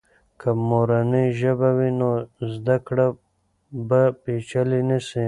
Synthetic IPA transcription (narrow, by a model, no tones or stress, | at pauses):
kamoɾaniʒɐbawinozd̪akɽa | bapit͡ʃalinisi